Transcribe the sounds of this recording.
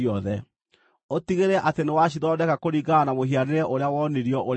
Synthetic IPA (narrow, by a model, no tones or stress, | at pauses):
ɔðɛ | otiɣeɾɛʔatenewaɕ̬iðɔdɛkakoɾiɡanamoɦiaɾeɾɛʔoɾeawɔniɾiɔʔoɾ